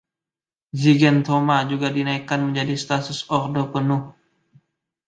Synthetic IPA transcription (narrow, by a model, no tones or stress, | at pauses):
ziɡɛnt̪omad͡ʒuɡadinaikanməɲd͡ʒadist̪at̪ʊsɔrdopənʊh